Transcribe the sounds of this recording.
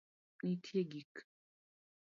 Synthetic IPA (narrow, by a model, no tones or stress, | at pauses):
nitʰeɡik